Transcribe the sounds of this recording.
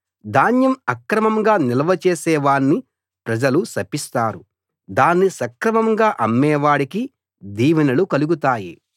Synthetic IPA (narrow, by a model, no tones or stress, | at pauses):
d̪aːnjɐmɐkɾɐmɐmɡaːnilɐʋɐt͡ʃeːsɛːʋaːnːi | pɾɐd͡ʒɐlusɐpist̪aːɾu | d̪aːnːisɐkɾɐmɐŋɡaːʔɐmːɛːʋaːɽiki | d̪iːʋɐnɐlukɐluɡut̪aːjḭ